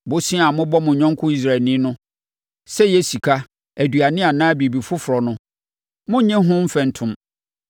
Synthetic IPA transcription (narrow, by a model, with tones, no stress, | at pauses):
bʊ˦sĩ˦a˨mʊ̃˦bɔ˦mʊ̃˨ɲɔ̃˦ŋ˦kʰʊ˦i˦s̬ɾa˨ɛ˨nĩ˦nʊ̃˦ | sɛ˦jɛ˦si˨kʰa˦ | æ˨dɥa˨nɪ̃˦a˨nãː˦bi˨bi˨fʊ˦fʊ˨ɾɔ˨nʊ̃˦ | mʊ̃˦ɲɪ̃˦ɦʊ̃˦m̩˦fɛ̃˨n̩˨tʰʊ̃˨m